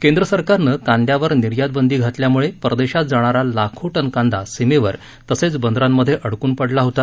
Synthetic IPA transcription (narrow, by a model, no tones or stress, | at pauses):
kẽnd̪ɾəsəɾkaɾnəkãnd̪jaʋəɾniɾjad̪̚bənd̪iːɡʱat̪ljamuɭepɾəd̪eɕat̪̚d͡zaɽ̃aɾalakʰoʈənkãnd̪asimeʋəɾ | t̪əset͡sbənd̪ɾamːəd̪ʱːjeʔəɽkuːnpəɽlaɦot̪a